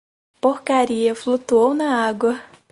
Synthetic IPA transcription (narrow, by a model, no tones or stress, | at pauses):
poɾkaɾiɐflut̪uownɐaɡwɐ